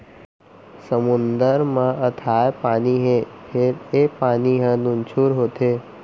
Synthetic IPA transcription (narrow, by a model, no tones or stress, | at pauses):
səmʊnd̪əɾmãʔət̪ʰaːepaːniɦepʰɪɾepaːniɦə̃nʊnt͡ʃʰuːɾɦoːt̪e